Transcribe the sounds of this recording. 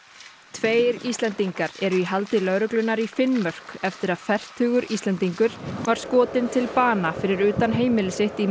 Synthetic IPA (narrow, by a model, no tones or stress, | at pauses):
t̪ʰveːjɾist̪lɛnt̪iŋkaɾɛɾʏiɦalt̪ɪlœːɾʏklʏnːaɾifɪnmœr̥kɛft̪ɪɾaðfɛr̥t̪ʰʏːɣʏɾist̪lɛnt̪iŋkʏɾ̥vaɾ̥skɔːt̪ɪnt̪ʰɪlpaːnafɪɾɪɾʏːt̪anɦeːjmɪlɪsɪht̪i